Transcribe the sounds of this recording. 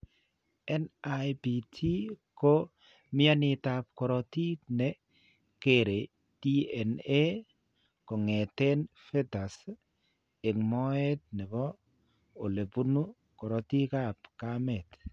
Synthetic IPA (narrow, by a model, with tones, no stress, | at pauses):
ɛ˦na˨jbi˨tʰi˦ko˦ | mɪ˦a˦nɪ˨ta˨p̚kɔ˨ɾɔ˨ti˦tnɛ˨ | keɾe˨ | d̥i˦ɛ˨ne˦ | kɔ˨ŋɛ˨te˦nfɛ˦ta˨s | e˨ŋmɔ˦ɛ˦t̚nɛ˨bɔ˦ | o˨le˨bu˦nu˦ | kɔ˨ɾɔ˨ti˦ka˦pkamɛ˨t